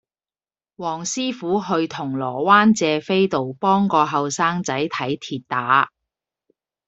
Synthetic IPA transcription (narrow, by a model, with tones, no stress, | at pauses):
wɔː˨˩ŋsiː˥fuː˨˥ɦɵ˧ɥt̪ʰʊ˨˩ŋlɔː˨˩waː˥nt͡sɛː˧fe˥jt̪o˨wpɔː˥ŋkɔː˧ɦɐ˨wsaː˥ŋt͡sɐ˨˥jt̪ʰɐ˨˥jt̪ʰiː˨t̚t̪aː˨˥